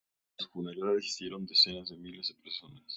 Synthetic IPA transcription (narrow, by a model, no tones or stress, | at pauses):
asfunaɾaðaresi̥sjeɾo̞nd̪e̞se̞nazðe̞milezðepeɾso̞nas